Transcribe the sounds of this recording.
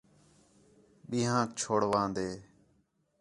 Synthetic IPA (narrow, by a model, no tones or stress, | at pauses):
ɓĩːɦãːt͡ʃʰoːɽʋãːnd̪eː